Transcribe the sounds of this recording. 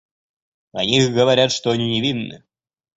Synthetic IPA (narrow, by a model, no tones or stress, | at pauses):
ɐ̰nʲixɡɐvaɾʲat̪ʂt̪ɔanʲinʲɛvʲinːɨ̰